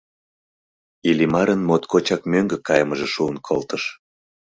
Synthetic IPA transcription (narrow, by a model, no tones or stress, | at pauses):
ilimɑɾənmot̪kʰot͡ɕɑkmøŋɡə̆kɑjəməʒeʃuənkʰolt̪əʃ